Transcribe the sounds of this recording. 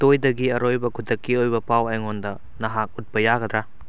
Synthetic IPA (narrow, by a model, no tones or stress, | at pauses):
tojdɐɡiɐɾojbɐkʰudɐkːiojbɐpawɐjŋondɐ | nɐɦak̚ut̚bɐjaɡɐd̪ɾa